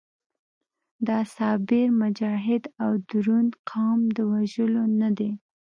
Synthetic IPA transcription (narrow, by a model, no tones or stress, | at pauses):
d̪ɑsɑbɪɾmʊd͡ʒɑɦɪd̪awd̪ɾunqʰɑmd̪əwaʒəlonad̪e